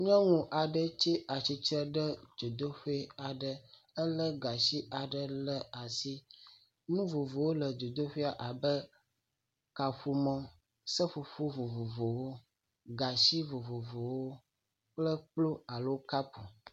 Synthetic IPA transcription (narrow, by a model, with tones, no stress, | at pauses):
ɲɔ̃˦ŋũ˨ʔa˨ɖə˨t͡ʃi˦a˨t͡ʃi˨t͡ʃɾə˦ɖə˦d͡ʒo˨d̪o˦ɸe˦a˨ɖə˨ | ə˦lə˦ɡa˨ʃi˦a˨ɖə˨lə˦a˨si˦ | nũ˦vo˨vo˨wo˦lə˨d͡ʒo˨d̪o˦ɸi˦a˨ʔa˨bə˦ | ka˨ɸu˦mɔ̃˦ | sə˦ɸu˨ɸu˦vo˨vo˨vo˨wo˦ | ɡa˨ʃi˦vo˨vo˨vo˨wo˦ | k͡plə˦k͡plo˦a˨lo˦ka˦pu˨